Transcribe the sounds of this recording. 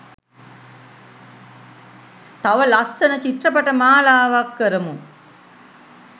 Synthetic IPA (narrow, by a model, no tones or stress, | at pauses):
t̪ɐʋɐlɐsɐnɐt͡ʃit̪rɐpɐʈɐmaːlaːʋakːɐɾɐmu